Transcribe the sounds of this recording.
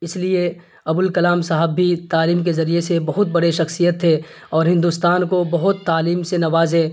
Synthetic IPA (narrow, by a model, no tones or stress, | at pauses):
ɪslie | ɐbʊlkɐlaːmsaɦəbːʱit̪aːliːmkezɐɾiesebɐɦʊt̪̚bɐɽeʃɐxsijət̪ʰːe | ɔːɾɦɪ̃nd̪uːst̪aːnkobɐɦʊt̪ːaːliːmsenɐʋaːzɦɛ̃ː